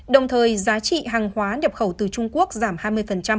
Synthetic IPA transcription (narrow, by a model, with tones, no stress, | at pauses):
ɗə˨˩wŋ͡mt̪ʰəː˨˩jzaː˨˦t͡ɕḭ˧˨ɦaː˨˩ŋhwaː˨˦nɛ˨˩p̚xə˧˩wt̪ɨ˨˩t͡ɕʊ˧ŋ͡mku˦˥ək̚zaː˧˩mhaː˧jmɨ˧əjfə˨˩nt͡ɕa˧m